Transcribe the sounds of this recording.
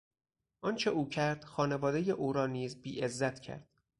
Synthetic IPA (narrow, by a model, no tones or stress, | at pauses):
ʔɒnt͡ʃʰeuːcʰæɾd̪̥xɒːne̞vɒːd̪e̞jeʔuːɾɒːniːzbiːʔezːæt̪ʰcʰæ̰ɾd̪̥̚